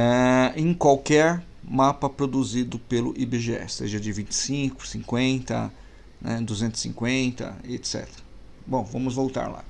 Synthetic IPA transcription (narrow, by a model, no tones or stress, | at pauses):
ɛẽj̃kwawkɛɾ | mapɐpɾod̪uzid̪ʊpelʊ̰ʔibeʒeɛ̰seʒɐd͡ʒɪvĩnt͡ʃɪ̥sĩkʊ̥sĩkwẽnt̪ɐ̰ | nɛ̰d̪uzẽnt̪ʊ̥sḭ̃ŋkwẽnt̪ɐ̰et̪sɛ̰t̪eɾɐ | bõw̃vɐ̃mʊzvowt̪a̰ɾla̰